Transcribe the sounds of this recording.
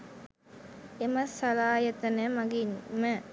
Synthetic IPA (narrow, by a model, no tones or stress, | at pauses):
emɐsːɐlaːjət̪ənemaɡinmə